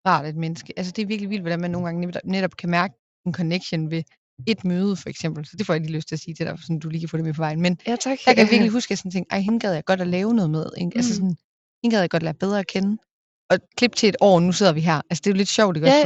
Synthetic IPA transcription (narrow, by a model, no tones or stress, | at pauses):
ʁɑ̈ːd̥e̝d̥̚menəsɡ̥əʔæls̬əd̥e̝æɐʋiɐɡ̥liʋild̥ʋɒɾ̥ænmænːo̝ːnɡɑ̈ŋəedbneɾɒ̽b̥̚kʰæmæɐɡ̥ə | enkʰɒ̽neɡ̥ɕonʋe̝ | e̝d̥møːð̞ˠəfɒ̽eɡ̥sem̰b̥l̩sɒ̽d̥e̝fɒ̰ːjɑɪɡ̥liːløst͡sʰe̝æɐsiːd̥e̝d̥æ̰ɐ̰fsɒ̽nd̥uliːkʰæfɔ̰d̥ɾemepʰɒ̽ʋɑ̈ɪ̰n̩menɑkʰæʋiɐɡ̥liɦusɡ̥jæsɒn̩t͡sʰe̝ŋɡ̥ɑɪɦenɡ̥ɛð̞ˠjɑaɡ̥ɒ̽ɾ̥ælɛːʊnɔ̽ðˠmeð̞ˠeʔælsəsɔ̽n | henɡ̥ɛðˠjɑ̈ɡɒ̽d̥læːɐb̥eð̞ˠʁɐːkʰen | ʔɒ̽kʰle̝b̥̚t͡sʰe̝ed̥ɒ̰ːnuse̝ð̞̰ˠɐʋiɦæɐ̰ʔælsə̥d̥e̝jo̝le̝d̥ɕɒʊ̰d̥eɡ̥